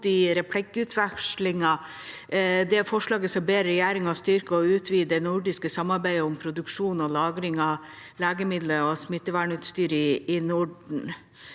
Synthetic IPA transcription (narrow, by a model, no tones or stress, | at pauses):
ɪɾɛpʰlɛkːʉt̪ʰʋækʂlɪŋɑ | d̪ɛæfɔʂɭɑːɡəsɔmbeːɾəɾɛjæːɾɪŋɑst̪ʏɾkəɔʉːt̪ʰʋiːd̪ənʊɖɪskəsɑmːɑɾbæɪəʊmpʰɾʊd̪ʉkʂuːnɔlɑːɡɾɪŋɑ | læːɡəmɪd̪ləɔsmɪt̪ːəʋæɳʉːt̪st̪yːɾəɪɪnʊɖɳ̩